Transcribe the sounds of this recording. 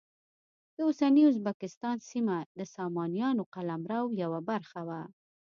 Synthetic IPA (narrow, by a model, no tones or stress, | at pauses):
d̪̥əʊsaniʊz̬bakɪst̪ɑnsimad̪əsɑmɑnijɑnoqalamɾawjawabaɾxawa